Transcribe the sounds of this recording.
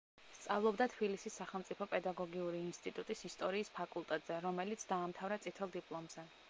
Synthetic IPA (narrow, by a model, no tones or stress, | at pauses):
st̪sʼavlˠɔbd̪at̪ʰbilisisːaχɛlˠmt̪sʼipʰɔpʼɛd̪aɡɔɡiuɾiːnst̪ʼit̪ʼut̪ʼisist̪ʼɔɾiːspʰakʼulˠt̪ʼɛt̪ʼz̥ɛɾɔmɛlit̪sʰd̪aːmt̪ʰavɾat̪sʼit̪ʰɛlˠd̪ipʼlˠɔmzɛ